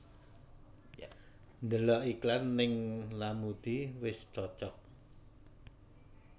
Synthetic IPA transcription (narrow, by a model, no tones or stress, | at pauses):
nd̪əlɔʔiklanːɪŋlamud̪̥iwɪst͡ʃɔt͡ʃɔk̚